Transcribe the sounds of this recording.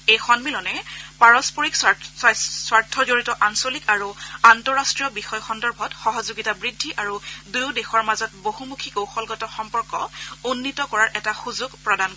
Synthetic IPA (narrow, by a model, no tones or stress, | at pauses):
ejxɔnmilɔnɛpaɹɔspoɹik | swaɹtʰɔzoɹitɔʔansolikaɹuantɔɹastɹijɔbixɔjxɔndɔɹbʱɔtxɔɦɔzuɡitabɹidʱːiʔaɹudujudexɔɹmazɔt̚boɦumukʰikowxɔlɡɔtɔxɔmpɔɹkɔ̰onːitɔkɔɹaɹʔɛtaxuzuɡpɹɔdankɔ